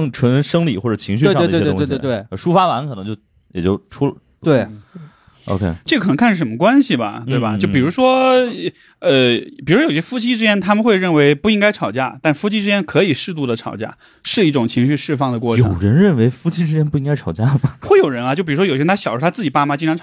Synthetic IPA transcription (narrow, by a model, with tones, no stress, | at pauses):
ŋʈ͡ʂʰwə˧˥nʂɤ˥ŋli˨˩xwɔ˥˩ʈ͡ʂɤ˨˩t͡ɕʰi˧˥ŋɕ̬y˧˥˧t̪e˥˩˧ʂu˥fa˥wa˧˥nkʰnɤ˧˥ŋt͡ɕo˥˩ʊ | jɛ˨˩t͡ɕjo˥˩ʊʈ͡ʂʰu˥l | t̪we˥˩ɪ | ʔo̰˧ʊkʰḛ˥˩ʈ͡ʂɤ˥˩ək̪ʰɤ˧˥ŋkʰa˥˩n̩˩ʂə˧˥mə˧kwa˥nɕi˨˩bɐ̰˩t̪we˥˩bɐ̰˩t͡ɕo˥˩ʊpi˨˩ɻu˧˥ʂwɔ˥˧ | ə˧˩i˨˩u˧˥jo˨˩˧ɕjɛ˥fu˥t͡ɕʰi˥ʈ͡ʂɻ̩˥t͡ɕjɛ˥nt̪ʰa˥mə˨nxwe˥˧ɪɻə˥˩nwe˧˥ɪpu˥˩i˥ŋka˥ɪʈ͡ʂʰɑ˨˩ʊt͡ɕja˥˧t̪a˥˩nʂ̩˧fu˥t͡ɕʰi˥ʈ͡ʂɻ̩˥t͡ɕjɛ˥nkʰɤ˧˥i˨˩ʂɻ̩˥˧t̪̬u˥˩d̪ə˩ʈ͡ʂʰɑ˨˩ʊt͡ɕja̰˥˩ | ʂɻ̩˥˧i˥˩ʈ͡ʂʊ˨˩ŋt͡ɕʰi˧˥ŋɕy˥˧ʂɻ̩˥˧fɑ˥˧ŋd̪ə˩kwɔ˥˩ʈ͡ʂʰjo˨˧˩ʊɻə˧˥nɻə˥˩nwe˧˥ɪfu˥t͡ɕʰi˥ʈ͡ʂɻ̩˥t͡ɕjɛ˥np̬u˥˩i˥ŋka˥ɪʈ͡ʂʰɑ˨˩ʊt͡ɕja˥m˩xwe˥˩ɪjo˨˩ʊɻə˧˥nɐ˧t͡ɕjo˥˩ʊpi˨˩˧wjo˨˩˥a˥ɕjʂʰa˥t͡sɹ̩˥˩t͡ɕi˨˩pa˥ma˧t͡ɕi˥˧ŋʈ͡ʂɑ˧ŋʈ͡ʂʰ